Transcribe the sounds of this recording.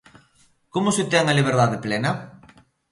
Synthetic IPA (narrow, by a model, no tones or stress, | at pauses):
komʊsɪt̪ɛŋɐliβ̞eɾðaðeplɛnɐ